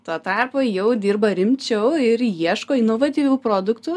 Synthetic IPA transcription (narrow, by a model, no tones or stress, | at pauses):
t̪ɑːt̪ɑrpoːjɛʊd̪ʲiːrbɐɾʲɪmʲt͡ʃʲɛʊɪɾjiɛʃkoːɪnoːʋɐt̪ʲiːʋʲʊːpɾoːd̪ʊkt̪ʊ